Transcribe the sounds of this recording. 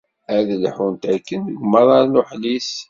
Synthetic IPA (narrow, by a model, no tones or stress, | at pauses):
æðəlħunt̪ækːənəɡmːəɾˤɑɾnʊħlis